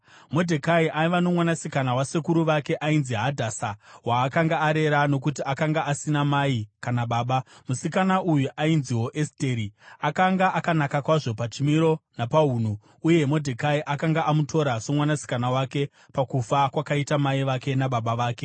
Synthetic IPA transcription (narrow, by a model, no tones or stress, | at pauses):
mo̞dʱekaiʔaiʋano̞mwanasikanawasekuɾuʋake̞ʔainziɦadʱasawaːkaŋɡaːɾe̞ɾano̞k̬utiakaŋɡaʔasinamaikanaɓaːɓamusikanaʔujuʔainziɦo̞ʔeste̞ɾiakaŋɡaʔakanakakwaʐo̞pat͡ʃimiɾo̞napaɦuːn̤u | uje̞mo̞dʱekaiʔakaŋɡaʔamutʰo̞ɾaso̞mwanasi̥kanawake̞ | pakufakwakaitamaiʋake̞naɓaɓaʋaːke̞